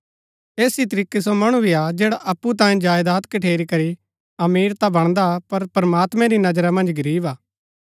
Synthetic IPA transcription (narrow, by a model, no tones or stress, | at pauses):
eːsit̪̬ɐɾiːkes̬omɐɽ̃ubʱiad͡ʒeːɽaʔɐpːut̪̬ãːĩd͡ʒaːjd̪aːt̪kɐʈʰeːɾikɐɾi | ɐmiːɾt̪abɐɽ̃d̪apɐɾpɾɐmaːt̪mɛ̃ɾinɐd͡ʒɾamɐ̃nd͡ʒɡɐɾiːbaː